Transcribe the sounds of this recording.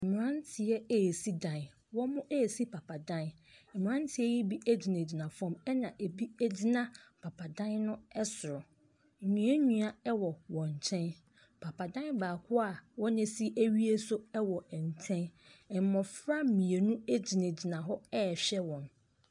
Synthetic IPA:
m̩˨mĩ˨ɾã˦n˦tʰɪ˨ɛ˦˨si˦dã˨n | wɔ̃˦mʊ̃˦ʔe˦˨si˦pʰa˨pʰa˨dã˦n | m̩˨mĩ˨ã˦n˦tʰɪ˨˦ɛ˦ji˦bi˦ɛ˦d͡ʑi˨ne˨d͡ʑi˨nã˨fɔ̃˦mɛ˦nã˨ʔe˨bi˦e˦d͡ʑi˦nã˦pʰa˨pʰa˨dã˦nnʊ̃˦ɛ˦sʊ˨ɾʊ˨ | ɲũ˨˦ɛ˦ɲũ˨a˨ɛ˦wɔ˨wɔ̃˨ɲ˨t͡ɕʰɛ̃˦n | pʰa˨pʰa˨dã˦nbaː˨kʰʊ˦a˨wɔ̃˦nɪ̃˦si˦ʔæ˦ɥi˦e˦sʊ˦ɛ˦wɔ˨n̩˨tʰɛ̃˦n˨ | m˨mɔ̃˨fɾa˦˨mĩ˨e˨nũ˦e˦d͡ʑi˨nẽ˨d͡ʑi˨nã˨ɦɔ˦ɛ˦˨ɕᶣɛ˦wɔ̃˨n

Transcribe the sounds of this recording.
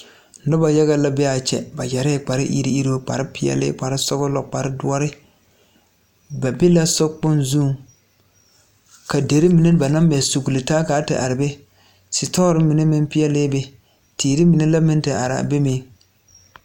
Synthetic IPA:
nʊ˦ba˨ja˦ɣa˦la˦bɛ˦a˨t͡ʃɛ̰˨ba˨jɛ˨ɾɛ˦˨k͡pa˨ɾɪ˦ʔḭ˦ɾḭ˦i˦ɾo˦k͡pa̰˨ɾɪ˦pɪ˦jɛ̰˦lɪ̰˦k͡pa˨ɾɪ˦sʊ˦ɣʊ˦lɔ˨k͡pa˨ɾɪ˦dʊ˦ɔ˦ɾɪ˦ | ba˨be˦la˦sʊ˦k͡pʊ˦nzuː˦˨ŋ | ka˨de˨ɾi˦mi˨ne˦ba˨na˦m˦bɛ˨su˨ɡu˨lɪ˨taː˦ka˨˦tɪ̰˨ʔa˨ɾɪ˨be˦ | sɪ˨tɔ˦ɾɪ˦mi˨ne˦mɪ˦npɪ˦ɛ˦lɪː˦be˦ | tʰeː˨ɾi˦mi˨ne˦la˦mɪ˦n˦tɪ˨ʔa̰˨ɾa̰˨be˦meː˦

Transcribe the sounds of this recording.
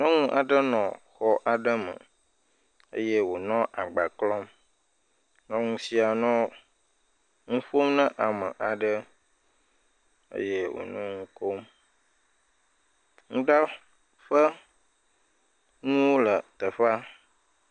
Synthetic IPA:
nɔ̃˦ŋũ˦ʔa˨ɖə˦nɔ̃˨xɔ˦ʔa˨ɖə˦mə̰̃˨ | ə̰˦jɛ˦wo˨nɔ̃˦ʔa˨ɡ͡ba˨klɔ˦m | nɔ̃˦ŋũ˦si˦a˨nɔ̃˦ | ŋũ˦ɸo˦mnə̃˦ʔa˨mə˨ʔa˨ɖə˦ | ə̰˦jɛ˦wo̰˨nɔ̰̃˦ŋũ˦ko˦m | ŋũ˦ɖa˦ | ɸə˦ | ŋũ˦wo˦lə˨t̪ə˨ɸa˦

